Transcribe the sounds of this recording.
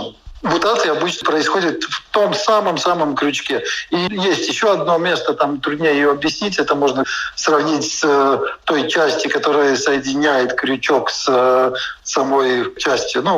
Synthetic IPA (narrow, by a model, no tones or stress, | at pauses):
mʊt̪at̪ɨjɪɐbɨt͡ɕnəpɾəɪsxo̞dʲɪt̪ft̪o̞msaməmsaməmkɾʲʊt͡ɕkʲeijesʲtʲjɪɕːo̞ɐd̪̚no̞mʲe̞st̪ət̪amt̪ɾʊdʲnʲejɪjoɐbjɪsʲnʲit̬ʲɛt̪əmo̞ʐnəsrɐvnʲitʲsʲt̪o̞jt͡ɕæsʲtʲɪkɐt̪o̞ɾɨjəsəjɪdʲɪnʲæjɪt̪kɾʲʊt͡ɕo̞ksəsɐmo̞jt͡ɕæsʲtʲjʊnu